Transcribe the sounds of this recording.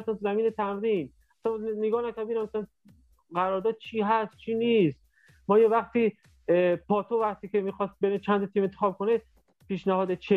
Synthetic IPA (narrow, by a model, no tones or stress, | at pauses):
sænzæmiːnet̪ʰæmɾiːn | æsænneɡɒːnækoɾbiːnæmæsæn | ɢæɾɒːɾd̪ɒːd̪̥̚t͡ʃʰiːɦæst̪̚t͡ʃʰiːnist̪ | mɒːjevæxt̪ʰiː | pʰɒːt̪ʰovæχt̪ʰiːkemiːxɒːst̪̚beɾet͡ʃʰænt̪ʰɒt̪ʰiːment̪exɒːb̚kʰone | piːʃnæhɒːd̪et͡ʃʰe